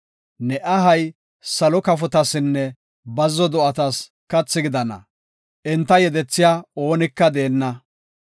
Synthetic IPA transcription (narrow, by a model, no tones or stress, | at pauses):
nɛʔɐɦɐj | sɐlɔkɐfɔt̪ɐsɪnːɛ | bɐzːɔd̪ɔʔɐt̪ɐs | kɐt͡sːɪɡɪd̪ɐnɐ̰ | ʔɛnt̪ːɐjɛd̪ɛt͡sːɪjaːo̞ːnɪkːɐd̪e̞ːnːɐ